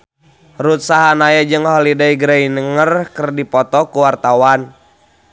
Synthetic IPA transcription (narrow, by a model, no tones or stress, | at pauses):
rut̪̚saɦanajad͡ʒɨŋhɔlidaiɡɾainəŋərkərdipɔt̪ɔkuwart̪awan